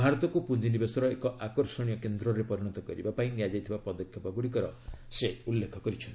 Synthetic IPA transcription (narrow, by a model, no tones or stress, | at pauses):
bʱaɾɔt̪ɔkupund͡ʒinibesɔɾɔekɔʔakɔɾsɔɽ̃ijɔkend̪ɾɔɾepɔɾiɽ̃ɔt̪ɔkɔ̰ɾḭbapaĩniad͡ʒajt̪ʰibapɔd̪ɔkʰjɔpaɡuɽik̬ɔɾɔ̰seulːekʰɔkɔɾit͡ʃʰɔn